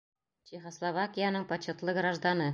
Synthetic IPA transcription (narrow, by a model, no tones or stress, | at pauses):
t͡ɕeχoslˠovakʲijanɤɴpɐɕŏt̪lˠɤɡɾaʒd̪anɤ